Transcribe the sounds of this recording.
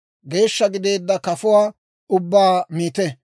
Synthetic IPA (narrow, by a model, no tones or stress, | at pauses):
ɡe̞ːʃːɐɡɪd̪e̞ːd̪ːɐkɐfʊwaː | ʊbːaːmiːt̪ɛ